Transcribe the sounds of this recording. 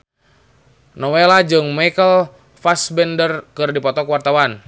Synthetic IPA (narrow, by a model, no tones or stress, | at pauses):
nɔwelad͡ʒɨŋmajkəl | fasbɛndərkɨrdipɔt̪ɔkwart̪awan